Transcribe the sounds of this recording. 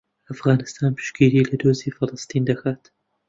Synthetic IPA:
ʔɐfɣaːnɨst̪ʰaːnpʰɨ̥ʃɡiːɾiːlɐd̪oːziːfɨlɨst̪iːnd̪ɐxaːt̪

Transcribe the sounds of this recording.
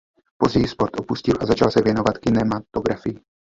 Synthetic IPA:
po̞zɟɛjiːspo̞ɾt̪ʔo̞puscɪlʔazat͡ʃalsɛvjɛno̞vat̪kɪnɛmat̪o̞ɡɾafɪjɪ

